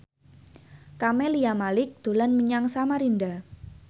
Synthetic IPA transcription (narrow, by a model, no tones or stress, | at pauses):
kamɛliamalɪk̚d̪̥o̤lanməɲaŋsamaɾinda